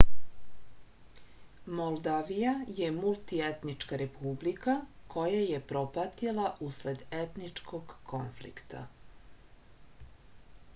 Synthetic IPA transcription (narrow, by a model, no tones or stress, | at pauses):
molˠd̪aʋijajemulˠt̪iet̪nit͡ʃkaɾepʰublikako̞jajepɾopat̪ilˠaʔusled̪e̞t̪nit͡ʂkoɡkonflḭkt̪ʰa̰